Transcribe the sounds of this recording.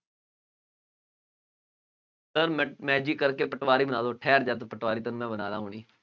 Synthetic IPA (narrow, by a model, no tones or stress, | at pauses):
səɾmɛ̃ːd͡ʒiːkəɾkeːpəʈʋaːɾiːbənaːd̪oːʈʰɛːɾd͡ʒət̪pəʈʋaːɾiːt̪ənũːmɛ̃ːbəna̰ːd̪a̰ːɦoːɽ̃iː